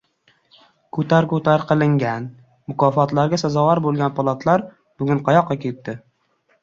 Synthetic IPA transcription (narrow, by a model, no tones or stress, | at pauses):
kʰɵt̪ʰaɾkɵt̪ʰaɾqʰɨlˠɪŋɡʲan | mʊkʰɒfɒt̪laɾɡʲasazɒwaɾbolˠɡʲanpʰɒlˠat̪ʰlaɾ | b̥ʊɡʲʊɴqʰɑjɒqʰːɑkʲʰe̞t̪ːɪ